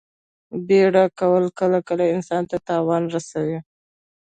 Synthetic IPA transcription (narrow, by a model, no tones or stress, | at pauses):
beɽakawəlkəlakəlaɪnsɑnt̪at̪ɑwɑnɾasawi